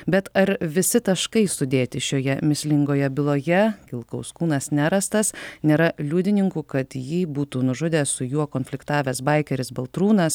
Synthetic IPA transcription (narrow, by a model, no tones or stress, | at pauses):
bʲɛt̪ɐɾʋʲɪsʲɪt̪ɐʃkɐɪsʊd̪ʲeːt̪ʲɪʃʲoːjɛmʲɪsʲlʲɪŋɡoːjɛbʲɪlˠoːjɛkʲɪlˠkɐʊskuːnɐsnʲæːɾɐst̪ɐsnʲeːɾɐlʲuːd̪ʲɪnʲɪŋkuːkɐt̪jiːbuːt̪uːnʊʒʊd̪ʲeːsʊjuɔkoːnfʲlʲɪkt̪ɑːʋʲɛsbɐɪkʲɛɾʲɪsbɐlˠt̪ɾuːnɐs